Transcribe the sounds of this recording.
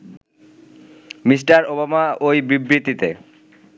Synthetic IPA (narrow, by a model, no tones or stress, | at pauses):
mis̬ʈaɾobamaojbibɾit̪ːit̪e